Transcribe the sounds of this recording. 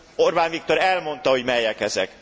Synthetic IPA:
orbaːnvik̚t̪o̞ɾɛlmo̞n̪t̪ɒho̞ɟmɛjːɛkɛzɛk

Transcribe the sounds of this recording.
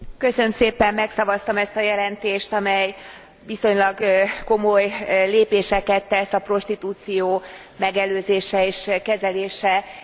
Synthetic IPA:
kø̞sønømseːpɛmːɛksɒvɒst̪ɒmɛst̪ɒjɛlɛnt̪eːʃt̪ɒmɛj | viso̞ɲlɒɡko̞mo̞jleːpeːʃɛkɛt̪ːɛsɒpro̞ʃt̪it̪uːt̪sijoː | mɛɡɛløːzeːʃɛeːʃkɛzɛleːʃɛ

